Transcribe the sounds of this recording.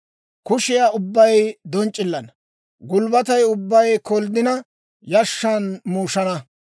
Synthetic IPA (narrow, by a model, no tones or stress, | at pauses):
kʊʃɪjaːʊbːɐjjd̪ɔnt͡ʃʼːɪlːɐnɐ | ɡʊlbɐt̪ɐjʊbːɐjkɔld̪ɪnɐ | jɐʃːɐnmuːʃɐnɐ